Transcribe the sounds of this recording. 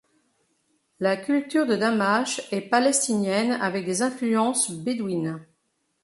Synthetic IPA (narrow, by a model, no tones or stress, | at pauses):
lakʲylt̪yʁd̪əd̪amaʃɛpalɛst̪injɛna̰vɛk̚d̪ezɛ̃flyɑ̃sbed̪win